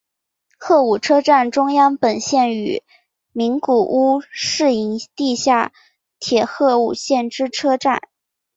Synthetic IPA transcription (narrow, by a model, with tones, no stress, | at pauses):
xɤ˥˩u˨˩ʈ͡ʂʰɤ˥ʈ͡ʂa˥˩nʈ͡ʂʊ˥ŋjɑ˥ŋpə˨˩nɕjɛ˥˩ny̰˨˩˦ | mi˧˥ŋku˨˩ʔu˥ʂɻ̩˥˩i˧˥ŋt̪i˥˧ɕja˥˩ | t̪ʰjɛ˨˩xɤ˥˧u˨˩ɕjɛ˥˩nʈ͡ʂɻ̩˥ʈ͡ʂʰɤ˥ʈ͡ʂa˥˩n